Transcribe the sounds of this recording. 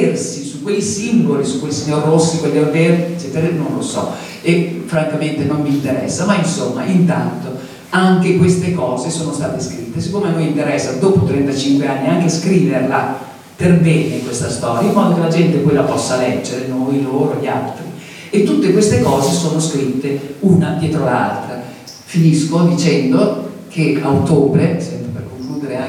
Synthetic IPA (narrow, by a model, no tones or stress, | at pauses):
ersisukːwejsimbolisukːwelsiɲːorːosːikweʎːavert͡ʃɛt̪eɾenonlosɔ̰ | efɾaŋkament̪enomːiːnt̪eɾɛ̰sːamainsomːa̰ʔint̪a̰nt̪o | aŋk̟ekwest̪ekɔːzesoːnost̪aːt̪eskɾit̪ːesikːoːmeamːint̪eɾɛsːad̪oːpot̪ɾɛnt̪at͡ʃiŋkweanːiaŋk̟eskɾiːverla | perbɛːnekwest̪ast̪ɔːɾjaimːɔːd̪okelad͡ʒɛnt̪epɔjlapɔsːalɛd͡ʒːeɾenojloːɾoʎːia̰lt̪ɾi | et̪ːut̪ːekwest̪ekɔːzesoːnoskɾit̪ːeunad̪jɛːt̪ɾoala̰lt̪ɾa | finiskod̪it͡ʃɛnd̪ok̟eaot̪oːbɾesɛmɾeperkoŋkluːd̪eɾe